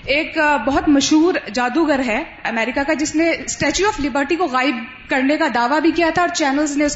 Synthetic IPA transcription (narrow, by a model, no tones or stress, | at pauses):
eːkbɐɦʊt̪mɐʃɦuːɾd͡ʒaːd̪uɡɐɾɦɛ | ɐmɛːɾɪkakad͡ʒɪsnesʈɛːt͡ʃuɔːflɪbəɾʈikoɣaːɪb | kɐɾnekad̪aːʋabʱikijat̪ʰaɔːɾt͡ʃɛːnəlzneʊs